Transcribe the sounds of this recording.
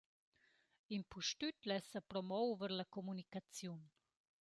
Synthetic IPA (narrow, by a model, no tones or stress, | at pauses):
inpuʃtytlɛsapɾɔmɔwvəɾlakɔmunikat͡sjun